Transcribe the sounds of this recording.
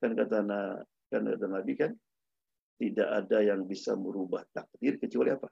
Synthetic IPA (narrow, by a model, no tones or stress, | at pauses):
kankat̪ana | kanka̰t̪anabikan | t̪idaʔadajaŋbisa̰məɾubaht̪ak̚dɪrkət͡ʃualiapa